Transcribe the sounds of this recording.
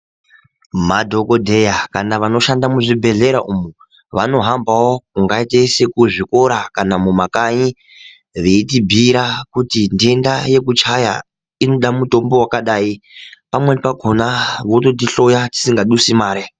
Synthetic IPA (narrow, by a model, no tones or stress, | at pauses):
madʱo̞ko̞dʱe̞jakanaʋano̞ʃandamuʐibʱe̞ɮe̞ɾaʔumu | ʋano̞ɦambawo̞kuŋɡaitesekuʐiko̞ɾakanamumakaɲi | ʋeitibʱiɾakutindie̞ndaje̞kut͡ʃaja̰ | ino̞ɗamuto̞mbo̞wakaɗaːipamwe̞paɡʱo̞naʋoto̞t̬iɬo̞jati̥siŋɡaɗusimaːɾe